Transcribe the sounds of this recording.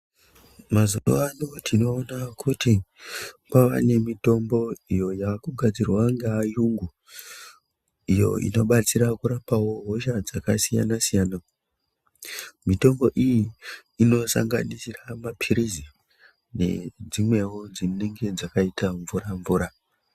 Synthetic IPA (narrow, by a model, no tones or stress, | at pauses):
mazoɗo̰anotʰino̞ːnakuti | paʋa̰ne̞mito̞mbo̞ijo̞jaːkuɡʱad͡zirwaŋɡaːjuŋɡu | ijo̞̰ḭno̞ɓat͡siɾakuɾapawo̞ɦo̞ʃad͡zakasija̰nasijaːna | mito̞mbo̞ʔijiːno̞sa̰ŋɡa̰nisiramapʰiɾizi | ne̞̰d͡zimwe̞wod͡zineŋɡe̞d͡zakaitʰaɱvuɾaɱvuːɾa